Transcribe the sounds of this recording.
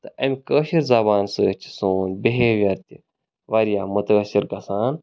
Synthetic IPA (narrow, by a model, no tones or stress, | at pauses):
t̪ɐʔɐmʲkəːʃiɾzɐbaːnsəːt͡ʃi̥soːnbeɦeʋjɐɾt̪i | ʋɐɾjaːmət̪ɐɐsiɾɡɐsaːn